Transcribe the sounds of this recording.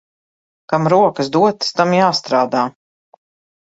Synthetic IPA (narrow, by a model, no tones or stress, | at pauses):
kamɾuɔkɨsd̪uɔt̪st̪amjaːst̪ɾaːd̪aː